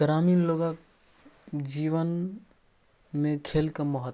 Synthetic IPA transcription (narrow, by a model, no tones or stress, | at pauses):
ɡɾaminloɡak | d͡ʒiʋən | mekʰelkeməɦət̪